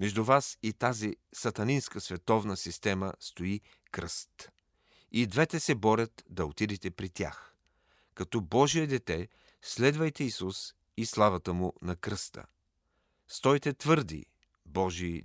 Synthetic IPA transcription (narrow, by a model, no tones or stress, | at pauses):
mɛʒd̪uvasit̪azisɐt̪ɐninskəsvɛt̪ɔvnəsist̪ɛmə̰st̪oi | kɾəst̪ | id̪vɛt̪ɛsɛbɔɾʲɐt̪d̪ɐot̪id̪ɛt̪ɛpɾit̪ʲja̰x | kɐt̪ɔbɔʒiɛd̪ɛt̪ɛ | slɛd̪vɐjt̪ɛisus | islˠavɐt̪əmʊnɐkɾəst̪ə̰ | st̪ɔjt̪ɛt̪vɤɾd̪ḭ | bɔʒi